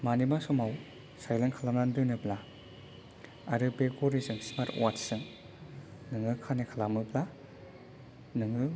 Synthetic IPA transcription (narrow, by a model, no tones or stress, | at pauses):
manimasɔmaw | sajleŋkʰalamnandɯnɯpla | aɾɯbekoɾizɯŋsimaɾwatsɯŋ | nɯŋɯkʰanikʰalamɯpla | nɯŋɯ